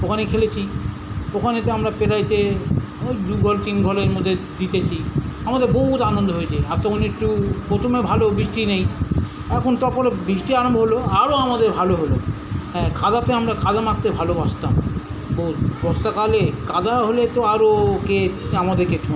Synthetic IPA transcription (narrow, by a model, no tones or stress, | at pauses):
okʰanekʰelet͡ɕʰi | okʰanet̪eamɾapeɾajt͡ɕʰe | ojd̪uɡʱɔlt̪inɡʱɔleɾmod̪ʱːed̪it̪et͡ɕʰiamad̪eɾboɦut̪anond̪ʱoɦojt͡ɕʰeaɾt̪ɔkʰonek̚ʈupot̪ʰomebʱalobɾikʈinej | ɛkʰont̪aɾpoɾebɾikʈiaɾombʱoɦoloaɾoamad̪eɾbʱaloɦoloɦɛ̃kad̪at̪eamɾakad̪amak̚t̪ebʱalobaʃt̪amboɦut̪bɔst̪akalekad̪aɦolet̪oaɾokeamad̪eɾket͡ɕʰu